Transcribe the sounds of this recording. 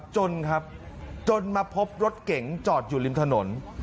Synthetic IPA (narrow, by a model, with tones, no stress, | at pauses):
t͡ɕo˧nkʰa˦˥p̚ | t͡ɕo˧nmaː˧pʰo˦˥p̚ɾo˦˥t̪̚ke˩˦ŋt͡ɕɔː˨˩t̪̚juː˨˩li˧mt̪ʰa˧no˩˦n